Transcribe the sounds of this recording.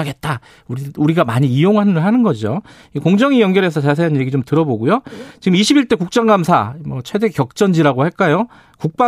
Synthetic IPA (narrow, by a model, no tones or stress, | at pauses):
aɡe̞t̚t͈a | uɾiuɾiɡamaɲiːjoŋɦanɯɯɭɦanɯnɡʌd͡ʑo | koŋd͡ʑʌŋijʌnɡjʌɾɦe̞sʰʌt͡ɕas̬ʰe̞ɦanje̞ɡit͡ɕomtɯɾʌboɡujot͡ɕiɡɯmiɕʰibiɭt͈e̞kuk̚t͡ɕ͈aŋɡamsʰa̰mʌt͡ɕʰwe̞de̞kjʌk̚t͡ɕ͈ʌnd͡ʑiɾaɡohaɭk͈ajo | kuk̚p͈a